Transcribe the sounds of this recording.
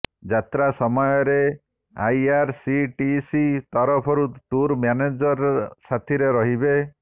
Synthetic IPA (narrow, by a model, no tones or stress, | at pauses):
d͡ʒat̪ɾasɔmɔjɔɾe | ajaɾsiʈisit̪ɔɾɔpʰɔɾut̪uɾmjaned͡ʒɔɾsat̪ʰiɾeɾɔɦibe